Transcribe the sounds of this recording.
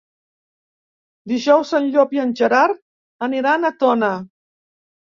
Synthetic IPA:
d̪iʒɔwsənʎɔpiənʲʒəɾaɾ | əniɾanət̪ɔnə

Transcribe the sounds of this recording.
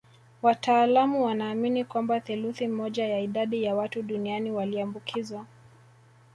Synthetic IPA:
watʰaːlamuwanaːminikwambaθuluθimɔʄajaiɗaɗijawatuɗunianiwaliambukʰizwa

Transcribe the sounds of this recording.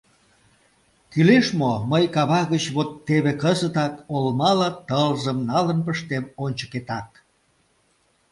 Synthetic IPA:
kyleʃmoməjkɑβɑɣət͡ɕβot̪ːeβekəzət̪ɑkolmɑlɑt̪əlzəmnɑlənpəʃt̪emonʲt͡ɕə̥ket̪ɑk̚

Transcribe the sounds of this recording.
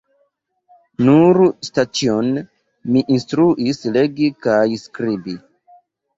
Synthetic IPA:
nuɾstat͡sion | miʔinstɾuʔisle̞ɡikajskɾibi

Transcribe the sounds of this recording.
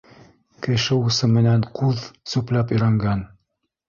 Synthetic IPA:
kɘ̆ʃɘusɤmɘ̆nænqʰuðsʉplæpɵ̆jɾæŋɡæn

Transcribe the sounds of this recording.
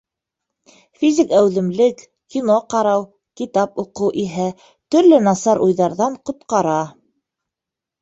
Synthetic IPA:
fʲizʲikæwðɘ̆mlɘk | kʲːinoqɑɾɑw | kit̪ɑpuqɤwʔiɦæ | t̪ɵ̆ɾlɘnɑsɑɾʔujðɑɾðɑɴqŏt̪qɑɾɑ

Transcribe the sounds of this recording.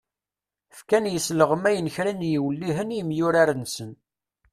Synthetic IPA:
fkænjəsləʁəmæjənçɾænjiwlːiɦənjimjʊɾaɾənsən

